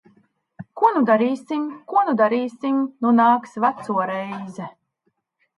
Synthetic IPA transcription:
kuɔnud̪aɾiːsʲimkuɔnud̪aɾiːsʲimʲnunaːksvat̪suɔɾɛjzɛ

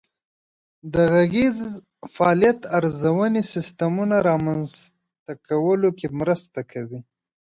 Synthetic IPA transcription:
d̪əɣaɣez | fɑljat̪aɾzawənesɪst̪amunaɾɑmanz | t̪akʰawəlokemɾəst̪akʰawi

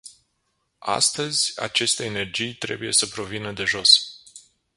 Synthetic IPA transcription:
a̰st̪əzʲa̰t͡ʃe̞st̪e̞ːne̞rd͡ʒijt̪ɾe̞̰buje̞səpɾo̞vinəd̪e̞ʒo̞s

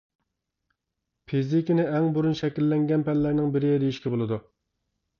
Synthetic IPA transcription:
pʰizɪkʲinɪʔɛŋbuɾunʃɛkʲilːɛŋɡʲɛnpɛnlːæɾnɪŋbɪɾɪd̪ejiʃkʲɛbolˠɨd̪u

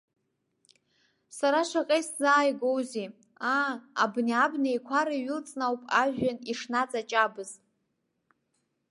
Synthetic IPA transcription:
saɾaʂʷaqʼejszaːjɡowzi | aa̰bniabnaekʷʰaɾaɥɪlt͡sʼnawpʼaʒʷᶣaniʂnat͡sʼat͡ʃʼabɨztʼ

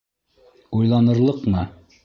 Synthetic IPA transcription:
ujlˠɑnɤ̆ɾlˠɤqmɤ

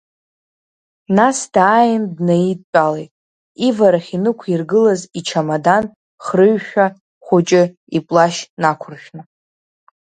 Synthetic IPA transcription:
nasdaːjɪndnajit̚ʼt͡ʃʷʼalejtʼ | ivaɾaχʲinɨkʷʰirɡɨlazit͡ʃʰamadan | χrɨɥʃᶣa | χʷʊt͡ʃʼɪ | ipʼlaʃnakʷʰʊrʃʲᶣnɨ

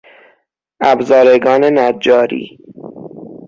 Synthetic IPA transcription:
æbzɒːɾeɡɒːne̞næd͡ʒɒːɾḭː

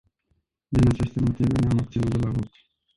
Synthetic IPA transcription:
d̪inat͡ʃest̪emo̞t̪iveneamak̚t̪sinut̪d̪elavot̪

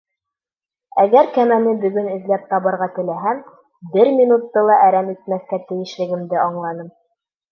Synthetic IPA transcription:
æɡæɾkæmænɘbɵ̆ɡɵnɘ̆ðlæp̚t̪ɑβɤ̆ɾʁɑt̪ɘ̆læɦæm | bɘɾmʲinut̪ːɤlˠɑʔæɾæmit̪̚mæθkæt̪ɘ̆jɘ̆ʃlɘ̆ɡɘ̆md̪ɘɑɴlˠɑnɤm

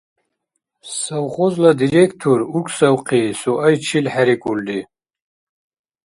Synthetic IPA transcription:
sawχɔzlad̪iɾekʰt̪ʰuɾukʷʰʼsawqʰisuʔajt͡ʃʰilħaɾikʼuld̪i

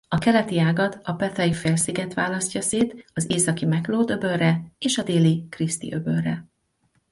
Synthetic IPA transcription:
ɒkɛlɛt̪iaːɡɒt̪ɒpɛt̪ɒjifeːlsiɡɛt̪ʋaːlɒscɒseːt̪ɒzeːsɒkimɛkloːd̪øbø̞rːɛeːʃɒd̪eːlikrist̪ḭʔø̞børːɛ

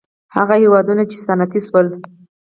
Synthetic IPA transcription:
ha̰ɣahewɑd̪unat͡ʃe̥sanat̪iswəl

